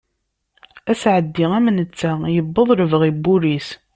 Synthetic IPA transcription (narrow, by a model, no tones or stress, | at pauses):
æsʕəd̪ːiʁæmənət͡sːæjəbːəðˤɾəvəʁibːuɾis